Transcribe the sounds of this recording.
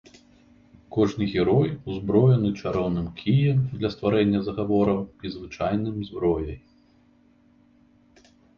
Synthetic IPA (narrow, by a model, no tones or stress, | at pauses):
kɔʐnɨɣʲɛɾɔjuzbɾɔjɐnɨt͡ʂaɾɔwnɨmkʲʰijɛmd̪lʲɐst̪vaɾɛnʲːɐzɐɣavɔɾɐwizvɨt͡ʂajnɨmzbɾɔjɐj